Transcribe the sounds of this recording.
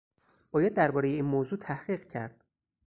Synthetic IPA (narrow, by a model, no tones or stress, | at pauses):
bɒːjɑd̪ːæɾbɒːɾejeiːnmoːzuːt̪ʰæhɢiːɢcʰæɾd̪̥̚